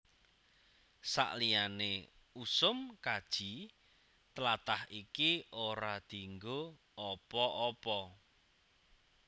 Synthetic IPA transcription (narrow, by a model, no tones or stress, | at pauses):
sa̰ʔlijanḛ | usʊmkad̥ʒ̥i | t̪əlat̪ahikioɾad̪̥i̤ŋɡo | ɔpɔʔɔpɔ